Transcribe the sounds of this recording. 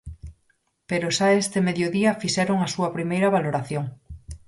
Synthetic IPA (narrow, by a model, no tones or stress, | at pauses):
peɾʊʃaest̪emeðjoðiɐfiʃɛɾoŋasuɐpɾimejɾɐβaloɾaθjoŋ